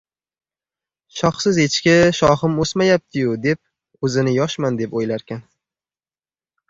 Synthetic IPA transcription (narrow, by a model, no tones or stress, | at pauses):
ʃɒχsɪzet͡ʃkʲɪʃɒχɪmosmajap̚t̪ʰɪjʊd̪e̞p̚ | ɵzɪnɪjɒʃmand̪e̞pojlaɾkʲʰan